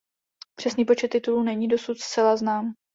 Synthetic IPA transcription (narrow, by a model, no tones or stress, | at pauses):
pr̝̥ɛsniːpo̞t͡ʃɛt̪ːɪt̪uluːnɛɲiːdo̞sut̪st̪t͡sɛlaznaːm